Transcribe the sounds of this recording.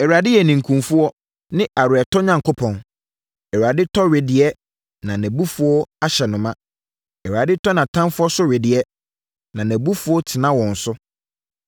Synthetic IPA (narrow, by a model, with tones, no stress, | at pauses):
ɛ˨wu˨a˨dɪ˦jɛ˨nĩ˨ŋ̩˨kʰũ˨mfʊ˦ɔ˦ | nɪ̃˦ʔa˨ɾɪ˨ɛ˨tʰɔ˦ɲã˨ŋkʰo˦pʰɔ̃˨n | ɛ˨wu˨a˨dɪ˦tʰɔ˦ɥɪ˨dɪ˨ɛ˦ | nã˨næ̃˨bu˦fʊ˦ɔ˦a˦ɕɛ˨nʊ̃˨mã˦ | ɛ˨wu˨a˨dɪ˦tʰɔ˦nã˨tʰã˦mfʊ˦ɔ˦sʊ˦ɥɪ˨dɪ˨ɛ˦ | nã˨næ̃˨bu˦fu˦ɔ˦tʰɪ˨nã˦wɔ̃˨n̩˨sʊ˦